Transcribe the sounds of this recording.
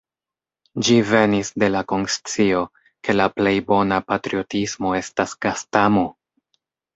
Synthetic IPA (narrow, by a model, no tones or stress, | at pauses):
d͡ʒive̞nisde̞lako̞nst͡sio̞ | ke̞laple̞jbo̞napatɾio̞tismo̞e̞stasɡ̥astamo̞